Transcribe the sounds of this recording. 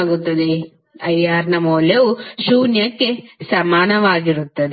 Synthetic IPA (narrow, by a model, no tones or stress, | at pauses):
ɡut̪ːɐd̪e | ɐjaːɾnɐmoːlɐʋuʃuːnjɐkːesɐmaːnɐʋaːɡiɾut̪ːɐd̪